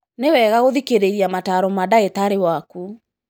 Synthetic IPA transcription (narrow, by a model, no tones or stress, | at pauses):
newɛɣaɣoðikeɾeiɾiamataɾɔmadaetaɾewaku